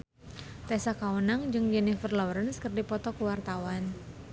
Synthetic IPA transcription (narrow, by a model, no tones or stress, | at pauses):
t̪ɛsakawunaŋd͡ʒɨŋd͡ʒɛnɪfərlawɾənskərdipɔt̪ɔkuwart̪awan